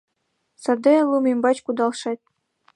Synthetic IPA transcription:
sɑd̪ɤlˠumʲembɑt͡ɕkud̪ɑlˠʂɑt̚ʲ

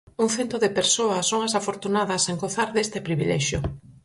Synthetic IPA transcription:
uŋθent̪oðepeɾsoɐsoŋasafoɾt̪unaðɐseŋɡoθaɾðest̪ɪpɾiβilɛʃjo̰

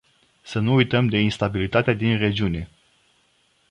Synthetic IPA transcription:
sənuːjt̪əmd̪e̞inst̪abilit̪at̪ead̪inre̞d͡ʒiune̞

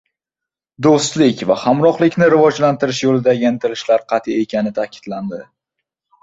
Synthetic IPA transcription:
d̪ost̪lɪkʲvahamɾɒχlˠɪkʲnɪɾɪvɒd͡ʒlant̪ɪɾɪʃjolɪd̪aɡʲant̪ʰɪɾɪʃlaɾqʰɑt̪ʰɪe̞kʲanɪt̪ʰakʲɪ̥d̪̥land̪ɪ

